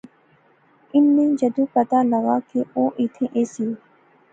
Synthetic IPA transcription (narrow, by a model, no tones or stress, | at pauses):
ɪnːẽːd͡ʒəd̪ũːpət̪aːləɡaːkeːʔoːʔɪt̪ʰẽʔeːsio